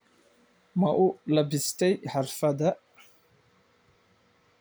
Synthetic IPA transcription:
mɐʔʊlɐbɪst̪ʰɛjħɑrfɐðɐ

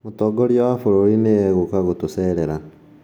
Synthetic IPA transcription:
motɔɡɔɾjɔwafoɾoɾinejɛɣokaɣotosɛɾeɾa

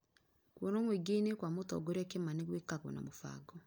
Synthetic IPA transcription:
kwɔnomweɡeinekwamotɔ̰ɡoɾɛkemaneɣwekaɣwɔ̰na̰mofa̰ɡɔ

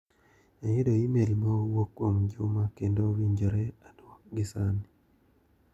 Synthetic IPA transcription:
ajedojimeɾimowokːwomd͡ʒumakendowiɲd͡ʒoɾeadwɔk̚ɡɪsani

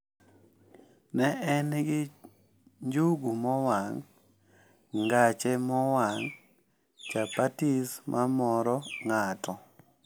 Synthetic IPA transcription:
nɛʔɛnɡɪ | ɲd͡ʒuɡumɔwaŋ | ŋɡat͡ʃɛmɔwaŋ | t͡ʃapatismʔamɔɾɔŋatʰɔ

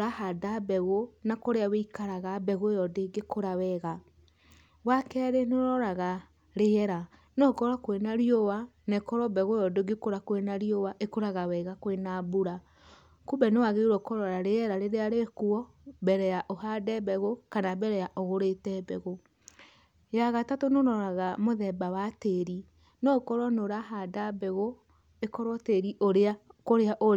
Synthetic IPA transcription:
ɾahadabɛɣonakoɾeaweikaɾaɣabɛɣojɔdeɡekoɾawɛɣa | wakɛɾeneɾɔɾaɣa | ɾeɛɾa | nɔkɔɾakwenaɾiowa | nɛkɔɾɔbɛɣojɔdoɡekoɾakwenaɾiowaʔekoɾaɣawɛɣakwenabuɾa | kubɛnewaɣeuɾɔkɔɾɔɾaɾeɛɾaɾeɾeaɾekuɔ | bɛɾɛjaʔoɦadɛbɛɣokanabɛɾɛjaʔoɣoɾetɛbɛɣo | jaɣatatonoɾɔɾaɣamoðɛbawateɾi | nɔkɔɾɔnoɾaɦadabɛɣo | ekɔɾwɔteɾiʔoɾakoɾeaʔo

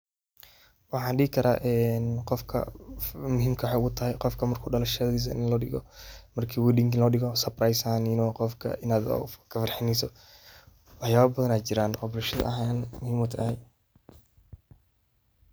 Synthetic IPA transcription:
wɑħɑːnɖiɡɪkʰɐɾʔa̰ːʔɛːnqɔfkʰɐ̰mʊɦiːmkʰɐwħeʊɣʊt̪ʰɐhɛjqɔfkʰɐmɐrkʰuːɖɐlɐʃɐðiːs̬ɐɪ̰nlɔːɖɪɣɔ̰mɐrkʰiːwiːɗɪŋkɪlɔːɗɪɣɔsɐprajsaninɔːqɔfkʰɐ̰ʔɪnaːd̪̰kʰɐfɑrħɪnɛsɔ | wɑħjaːβɐbɐðɐnaːt͡ʃɪɾaːnɔblɐʃɐð̰ɐ̰ɦanmʊhiːmɔt̪ʰɐhɛj

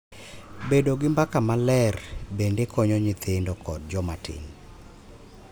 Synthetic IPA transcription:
bedoɡɪmbakamalɛrbendekʰɔɲɔɲit̪ʰɪndɔkʰɔd̚d͡ʒɔmatʰɪ̰n

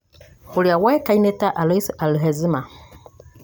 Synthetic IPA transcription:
huliawɛkainetaʔalesaluɦezima

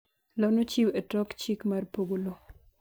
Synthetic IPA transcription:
lanot͡ʃiwetɔkt͡ʃikmarpoɡolo

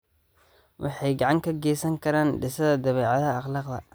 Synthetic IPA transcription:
wʔɑ̰ħɑjɡɑʕɑŋkʰɐɡɛːsɐŋkʰɐɾaːnɖɪsɐðɐd̪ɐβɛːʕɑðɐɑχlɑːqd̪ɐ̰

